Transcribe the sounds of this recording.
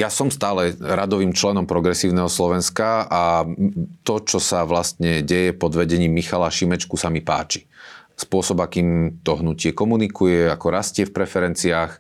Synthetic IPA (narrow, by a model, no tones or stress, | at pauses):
jasɔmst̪aːlɛɾad̪ɔʋiːmt͡ʃlɛnɔmpɾɔɡɾɛsiːʊnɛɦɔslɔʋɛnskaa | t̪ɔt͡ʃɔsaʋlast̪ɲɛɟɛjɛpɔd̪ʋɛɟɛɲiːmːixalaʃimɛt͡ʃkusamipa̰ːt͡ʃi̥spʊɔsɔbakiːmt̪ɔɦnucɪɛkɔmunikujɛakɔɾascɪɛfpɾɛfɛɾɛnt͡siaːx